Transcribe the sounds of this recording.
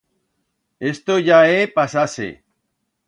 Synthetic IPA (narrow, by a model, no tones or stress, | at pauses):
est̪oʝaepasasḛ